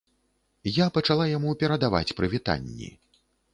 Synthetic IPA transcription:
japɐt͡ʂalˠajamupʲɛɾɐd̪ava̰t͡sʲpɾɨvʲit̪a̰nʲːḭ

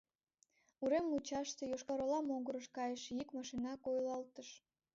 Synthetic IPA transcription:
uɾemlut͡ɕɑʃt̪e̽joʃkɑɾolɑmoŋɡəɾəʃkɑjəʃjikmɑʃinɑkojlɑlt̪əʃ

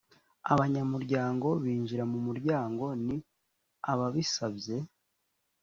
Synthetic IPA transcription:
a̰βaɲamuɾɟaːŋɡo̞βiːɲʒiɾamumuɾɟaːŋɡo̞ni | aβaβisabje̞

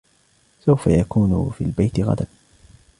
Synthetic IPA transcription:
sawfajakuːnʊ̰fḭːlbajt̪ɪɣa̰d̪an

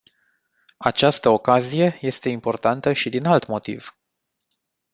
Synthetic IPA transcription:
at͡ʃast̪əokazije̞je̞st̪e̞impo̞rt̪ant̪əʃid̪inalt̪mo̞t̪ḭv̥

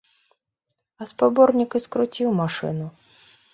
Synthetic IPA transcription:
ɐspabɔrnʲikiskɾut͡sʲiwmaʂɨ̰nu

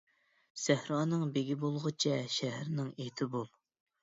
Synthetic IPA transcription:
sɛhɾɑːnɨŋbeɡʲibolˠʁʊt͡ʃʰɛʃɛɦɾnɪŋet̪ʰɪbolˠ

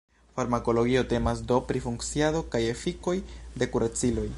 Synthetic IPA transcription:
faɾmako̞lo̞ɡio̞te̞mas̬do̞pɾifuŋkt͡siado̞kaje̞fiko̞jde̞kuɾat͡silo̞j

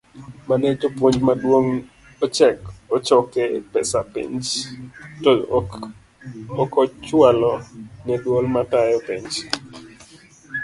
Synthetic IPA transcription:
maned͡ʒopwoɲd͡ʒmadwoŋ | ot͡ʃɛkɔt͡ʃɔkepɛsapḭɲd͡ʒto | ɔkɔt͡ʃwalɔnɛdwolmatajɔpiɲd͡ʒ

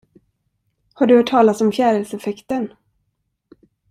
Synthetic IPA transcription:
haɖɵvœːʈʰːɑːlasɔmfjæːɾəlsɛfɛkt̪ən

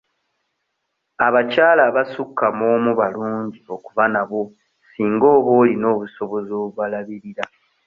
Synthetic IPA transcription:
aβacaːlaβasukːamo̞ːmuβaluːɲɟio̞kuβanaβo̞ | siːŋɡo̞ːβo̞ːlino̞ːβuso̞βo̞zo̞ːβwalaβiɾiɾa

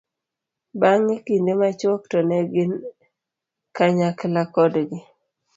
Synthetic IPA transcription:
baŋːikindemat͡ʃwɔktɔnɛɡɪn | kaɲaklakɔdɡɪ

